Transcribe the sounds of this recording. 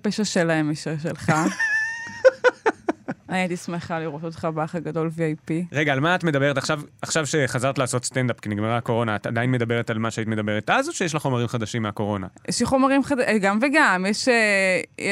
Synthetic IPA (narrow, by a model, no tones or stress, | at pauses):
peʃaʃelaemeʃaʃ̬elχa | aniat̪ismeχaliʁot̪ot̪χabaχaɡado̞lviajpiʁeɡaːlmaatme̞d̪abe̞ʁetaχʃavaχʃavʃeχazaʁt̪laːso̞tstend̪apkiniɡmeʁaako̞ʁo̞naat̪ad̪ainmed̪abe̞ʁet̪almaʃeaitmed̪abeʁetazoʃejeʃ̬laχo̞maʁimχad̪aʃimeako̞ʁo̞na̰jʔɛʃliχo̞maʁimχad̪aɡamveɡamjeʃe